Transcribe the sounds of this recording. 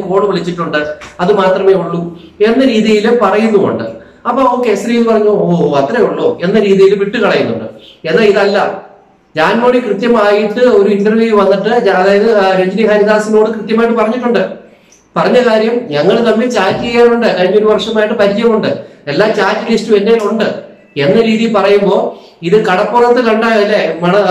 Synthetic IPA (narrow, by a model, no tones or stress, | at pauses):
ko̞ːɽɨʋɐɭit͡ɕːiʈːuɳɖɨɐðɨmaːt̪rɐme̞ːuɭːu | e̞nːɐɾiːðijilpɐrɐjunːuuɳɖɨ̰ | ɐpːoːoːkːesɾijlpɐrɐɲːooːɐt̪ːreuɭːoːe̞nːɐɾiːðijilʋiʈːɨkɐɭɐjunːṵɳɖɨ̰enːaːliðɐlːɐ | ɲaːno̞ːɽikrɨt̪jɐmaːjiʈːɨo̞ɾuinɖɐrʋjuːjʋɐnːiʈːɨɐðaːjɐðɨɾeɲd͡ʑiniɦaːniðaːsino̞ːɽɨkrɨt̪jɐmaːjiʈ̬ːɨpɐrɐɲːiʈːuɳɖɨ | pɐrɐɲːɐkaːɾjɐmɲɐŋːɐɭt̪ɐmːilt͡ɕaːtːɨejːaːnuɳɖɨkaːɾiɲːoɾuʋɐrʂɐmaːjiʈːɨpɐɾid͡ʑɐjɐmuɳɖɨelːaːt͡ɕaːtːɨlistuʋendejuɳɖɨ | e̞nːɐɾiːðijilpɐrɐjumbo̞ː | iðɨkɐɽɐpːorɐt̪ːɨkɐɳɖaːɣɐlːemɐɳɐ